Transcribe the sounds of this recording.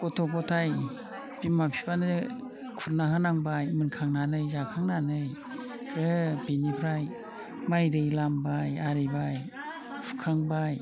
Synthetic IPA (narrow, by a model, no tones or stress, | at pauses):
kɔtʰɔkɔtʰaj | bimapʰi̥panɯ | kʰuɾnahanaŋbajmɯnkʰaŋnanɯjzakʰaŋnanɯj | ɾɯbinipʰɾaj | majɾɯjlambajaɾɯbaj | pʰu̥kʰaŋbaj